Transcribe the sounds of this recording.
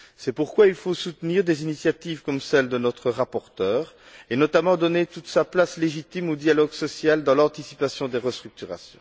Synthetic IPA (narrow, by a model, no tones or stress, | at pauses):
sɛpuʁkwailfosut̪niʁd̪ezinisjat̪ivkɔmsɛld̪ənɔt̪χəʁapɔʁt̪œːʁ | enɔt̪amɑ̃d̪ɔnet̪ut̪saplasleʒit̪imod̪jalɔɡsɔsjald̪ɑ̃lɑ̃t̪isi̥pasjɔ̃d̪eʁəst̪χyk̚t̪yʁa̰sjɔ̰̃